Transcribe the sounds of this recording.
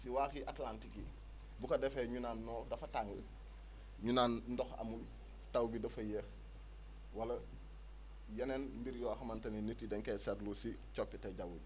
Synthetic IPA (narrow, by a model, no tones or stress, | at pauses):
siwaːxiʔatlantiki | bukɐdɛfeɲunanːɔːdɐfɐtaŋɐ | ɲunaːnndɔxɐ̰mul | tawbidɐfɐjeːx | wɐlɐ | jɐnenmbiɾjɔxɐmantɐnenitːidɛŋkesɛtlusi | t͡ʃopːiteɟawu